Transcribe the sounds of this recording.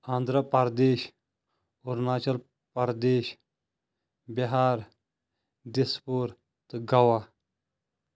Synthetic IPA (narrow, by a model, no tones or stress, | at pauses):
ãːnd̪ɾəpɐɾd̪eːʃ | oɾnaːt͡ʃɐl | pɐɾd̪eːʃ | bɐɦaːɾ | d̪ɪspuɾ | t̪ɨɡɐwaː